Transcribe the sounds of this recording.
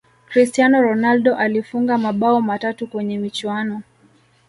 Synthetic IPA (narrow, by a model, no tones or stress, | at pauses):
kɾistianɔɾɔnalɗɔʔalifuŋɡamaɓaɔmatatukwɛɲɛmit͡ʃwanɔ